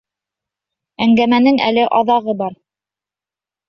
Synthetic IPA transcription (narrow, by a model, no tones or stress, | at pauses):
æŋɡæmænɘŋæ̰lɘʔɑðɑʁɤbɑɾ